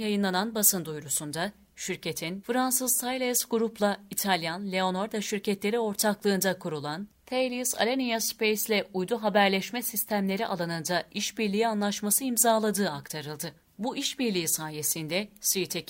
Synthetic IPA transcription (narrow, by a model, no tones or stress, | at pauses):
jajɯnlˠananbasɯnd̪ujɾusund̪a | ʃyɾcʰe̞t̪ʰinfɾansɯzt̪ʰajlʲesɡuɾuplˠait̪ʰalʲjanlʲe̞o̞noɾd̪aʃyɾcʰɛt̪lʲe̞ɾio̞ɾt̪ʰaklˠɯːnd̪akʰuɾulˠant̪ʰejlʲisa̰lʲenijaspʰejslʲɛujd̪uɦabæɾlʲɛʃmɛsist̪ʰæmlʲe̞ɾiʔa̰lˠanɯnd̪aiʃbiɾlʲijianlˠaʃmasɯimzaːlˠad̪ɯːakt̪ʰaɾɯlˠd̪ɯ | buʔiʃbiɾlʲiːisaːje̞sind̪ɛsit̪ʰe